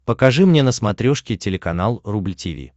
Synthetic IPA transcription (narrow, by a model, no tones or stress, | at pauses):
pəkɐʐɨmnʲenəsmɐt̪ɾʲoʂkʲɪtʲɪlʲɪkɐnalˠrublʲtʲɪvʲḭ